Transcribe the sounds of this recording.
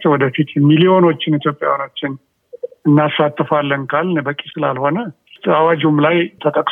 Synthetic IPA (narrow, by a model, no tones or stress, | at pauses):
t͡ʃwɔd̪əfit̪jɛmːilio̞no̞t͡ʃːɪnit̪ʰjo̞pʼːjawjanot͡ʃːɪn | ɨnːasːat̪ːɨfalːənkʰalnbəkʼːisɨlalho̞nə | t̪awad͡ʒumlajt̪ʰət̪ʼəkʼ